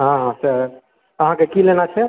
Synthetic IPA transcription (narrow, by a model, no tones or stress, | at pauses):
ɦãɦãsəɾ | əɦãkekilenat͡ʃʰɛ